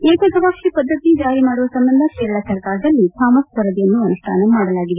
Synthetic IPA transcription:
eːkɐɡɐʋɐkʂipɐd̪ːɐt̪id͡ʒaːɾimaːɽuʋɐsɐmbɐnd̪ʱɐkeːɾɐɭɐsɐɾkaːɾɐd̪ɐlːit̪ʰaːmɐskɐɾɐd̪jɐnːuɐnuʂʈʰa̰ːnɐmaːɽɐlaːɡiʋe

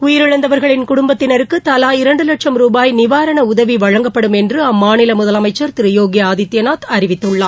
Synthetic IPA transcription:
ʊjɪɾɯɻɐnd̪ɐʋɐɾɣɐɭɪnkʊɽʊmbɐt̪ːɪnɐɾɯkːɯt̪ɐlaːjɪɾɐɳɖɯlɐʈʂɐmɾuːbaːjnɪʋaːɾɐɳɐʊðɐʋiʋɐɻɐŋɡɐpːɐɽɯmɛndrɯɐmːaːnɪlɐmʊðɐlɐmɐɪt͡ʃːɐɾt̪ɪɾɯjoːɡɪjaːðɪt̪ːjɐnaːt̪ɐɾɪʋɪt̪ːɯɭːaː

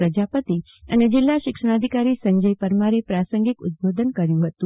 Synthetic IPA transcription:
ɾəd͡ʒapət̪i | əned͡ʒɪlːaʃɪkʂəɽ̃ad̪ʱikaɾisəɲd͡ʒəjpəɾmaɾepɾasəŋɡikʊ̰t̪̚bod̪ʱənkəɾjũɦət̪ũ

